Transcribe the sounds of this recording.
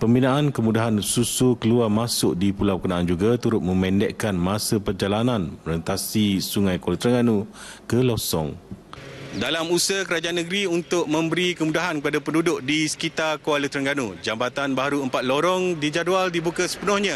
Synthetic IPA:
pəmbinãʔankəmudaɦansusukəluarmasʊʔ̚dipulawkənaʔand͡ʒuɡat̪uɾʊt̪̚mə̃mɛ̃ndɛʔkanmãsəpərd͡ʒalanãnmə̃ɾənt̪asisuŋãjkoalət̪ɾəŋɡanukəlɔsɔ̰ŋ | dalamusəkəɾad͡ʒaanːəɡɾiunt̪ʊʔ̚mə̃mbəɾikəmudaɦankəpadapəndudʊʔdisə̥kit̪arkoalət̪ɾəŋɡanud͡ʒambat̪anbaaɾuəmpat̪̚loɾɔŋdid͡ʒadualdibukasə̥pənɔhɲã

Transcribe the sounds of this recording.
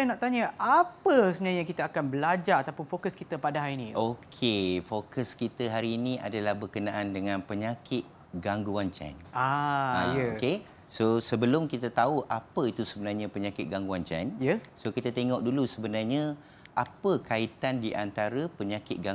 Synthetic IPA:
anaʔt̪aɲəʔapəsəbənajãkit̪əakanbəlad͡ʒaɾat̪awpʊnfokəskit̪əpadaɦaɾinĩokʰefokəskit̪əɦaɾiːnĩa̰dalahbərkənaʔandəŋãnpəɲãkʰɪt̪̚ | ɡaŋɡuant͡ʃɛ̰naãjəoke | sosəbəlʊmkit̪at̪auʔapəit̪usəbənarɲapəɲãkɪt̪̚ɡaŋɡuant͡ʃɛ̰njəsokit̪at̪eŋɔk̚dulusəbənarɲə | ʔapəkait̪andiʔant̪aɾəpəɲãkɪt̪̚ɡa

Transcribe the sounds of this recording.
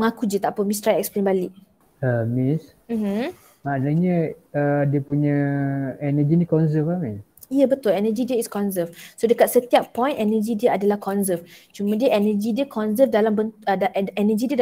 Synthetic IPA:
məŋãkud͡ʒət̪aʔpəmĩs̬t̪ɾajɛk̚splenbaliʔ̚ | əmis | m̩mm | manəɲə̃ədiəpuɲə̃ɛnəd͡ʒinĩkɔnzəfamis | ijəbət̪ʊlɛnəd͡ʒidiəiskɔnzəfsodəkat̪̚sət̪iapːɔ̃jnɛnəd͡ʒidiəadalahkɔnzəft͡ʃumãdiəʔɛnəd͡ʒidiəkʰɔnzəfdalambənədaɛnəd͡ʒidiəd

